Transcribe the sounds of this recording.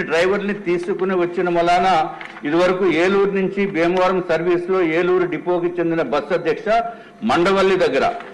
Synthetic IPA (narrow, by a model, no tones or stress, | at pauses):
ɖɾɐjʋɐɾnit̪iːsukuniʋɐt͡ʃːinɐmɐlːaːna | id̪uʋɐɾɐkueːluːɾnuɲt͡ʃibeːmɐːɾɐmsɐɾʋiːslo̞ːeːluːɾuɖipo̞ːkit͡ʃe̞nd̪inɐbɐsːɐd̪ʱjɐkʂɐ | mɐɳɖɐʋɐlːid̪ɐɡːɐɾɐ̰